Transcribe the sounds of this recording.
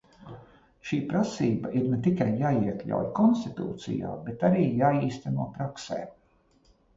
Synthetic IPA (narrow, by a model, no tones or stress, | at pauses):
ʃiːpɾasiːbaiɾnɛt̪ikajːaːiɛklʲa̰wjkɔnst̪it̪ṵːt̪sḭja̰ːbet̪aɾiːjaːiːst̪anuɔpɾaksḛː